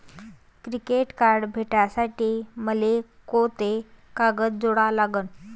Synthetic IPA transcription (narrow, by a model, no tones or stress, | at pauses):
kɾikeʈkaɾɖbʱeʈasaʈiːməle | kot̪ekaɡətd͡zoɽalaɡən